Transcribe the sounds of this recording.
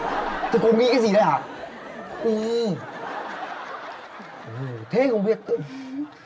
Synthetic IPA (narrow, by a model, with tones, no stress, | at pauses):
t̪ʰi˨˩ko˧nŋḭ˧˥˦ka˨˦zi˨˩ɗə˨˧˦laː˨˩ | ʔɨ˧˩ | ʔɨ˨˩t̪ʰe˨˦xə˧wŋ͡mɓi˦˩ək̚